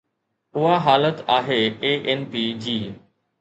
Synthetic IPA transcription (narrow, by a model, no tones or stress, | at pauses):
ʊɦaɦaːlət̪aːɦeːeːʔenpiːd͡ʑiː